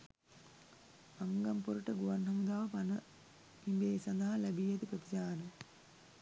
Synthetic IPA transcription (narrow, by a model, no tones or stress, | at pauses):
ɐŋɡɐmpoɾuʈɐɡuʋɐnɦɐmud̪aːʋɐpɐnɐ | imbeːsɐnaːɐlɐbijɐt̪ipɾɐt̪it͡ʃaːɾɐ